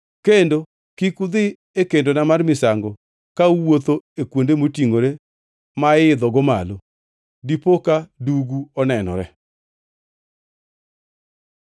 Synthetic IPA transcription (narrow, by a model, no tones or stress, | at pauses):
kendo | kikʊd̪ɪ | ekendonamarmɪsaŋɡɔ | kauwot̪oekwondemotiŋoɾe | maɪd̪ɔɡɔma̰lo | dipokaduɡuɔnɛnɔ̰ɾɛ